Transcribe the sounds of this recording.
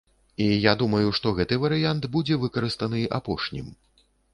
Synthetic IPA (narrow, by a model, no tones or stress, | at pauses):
ijad̪umɐjuʂt̪ɔɣɛt̪ɨvɐɾɨjant̪bud͡zʲɛvɨkɐɾɨst̪ɐnɨʔa̰pɔʂnʲḭm